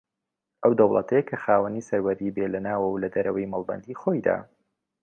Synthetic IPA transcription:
ʔɐwd̪ɐwlˠə̰t̪ʰɐjkʰɐxaːwɐnisɐɾwɐɾiːbelɐnaːwɐwlɐd̪ɐɾɐwɐjmɐlˠbɐ̰nd̪ixojd̪a̰ː

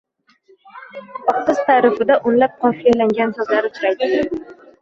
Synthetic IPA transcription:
ɒqːɨz̥t̪ʰaɾɪfɪd̪aʔʊnlap̚qʰɒfijalaŋɡʲansɒzlaɾɪt̪ʰʊɾajd̪ɪ

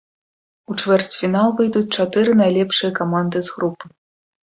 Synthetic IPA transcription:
ut͡ʂvʲɛrt͡sʲfʲinalˠvɨjd̪ut͡sʲt͡ʂat̪ɨɾɨnajlʲɛpʂɨjɐkamand̪ɨzɣɾupːɨ̥

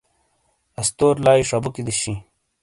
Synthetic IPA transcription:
ɐst̪oːɾlaːiʂɐbukid̪iɕĩ

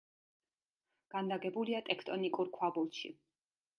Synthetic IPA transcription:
ɡ̥and̪aɡɛbuliat̪ʼɛkʰt̪ʼɔnikʼuɾkʰwabulˠʃḭ

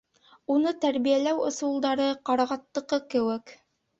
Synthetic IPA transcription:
unɤt̪æɾβijælæwŏ̰sulˠd̪ɑɾɤqɑɾɑʁɑt̪ːɤ̆qɤkɘ̆wɘk

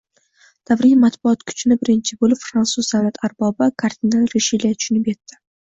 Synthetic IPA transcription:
d̪̥avɾimat̪bʊɒt̪kʰʊ̥t͡ʃnɪbɪɾɪnt͡ʃʰɪbolɪpfɾansʊzd̪awnat̪ʰaɾbɒbakʰaɾd̪ʲinalˠɾeʃiliat̪ʰʊ̥ʃʊnɪpjet̪ːɪ̥

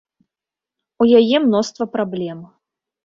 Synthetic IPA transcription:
ujajɛmnɔst̪vɐpɾablʲɛm

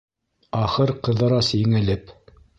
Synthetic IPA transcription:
ɑχɤɾqɤ̆ðɤ̆ɾɑsɘ̆ŋæ̆lɘp

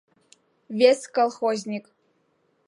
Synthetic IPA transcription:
vʲeskolˠχozʲnʲik

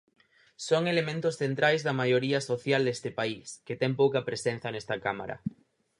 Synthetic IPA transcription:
soŋelemẽnt̪osθent̪ɾʔajzðamaʝoɾiasoθjald̪est̪epaisket̪eŋpowkapɾesẽn̟θjanest̪akama̰ɾa̰

